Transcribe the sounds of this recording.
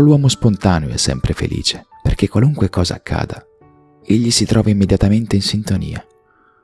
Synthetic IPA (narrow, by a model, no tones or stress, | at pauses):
lwɔːmospont̪aːnjoɛ̰sːɛ̰mpɾefḛlḭːt͡ʃe | perk̟ekːwaluŋkwekɔːza̰ːkːa̰ːd̪a | eʎːisit̪ɾʔɔːvaimːed̪jat̪ament̪einsint̪onḭːa